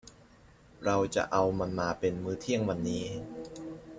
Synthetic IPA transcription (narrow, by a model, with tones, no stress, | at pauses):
ɾa˧wt͡ɕa̰˨˩ʔa˧wma˧nmaː˧pe˧nmɯː˦˥t̪ʰi˥˩əŋwa˧nːiː˦˥